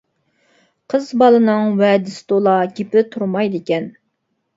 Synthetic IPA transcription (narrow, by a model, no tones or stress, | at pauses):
qʰəzbɑlˠɨnɨŋwɛd̪ɪst̪olˠɑɡʲepɪt̪ʰuɾmɑjd̪ɪkʲɛn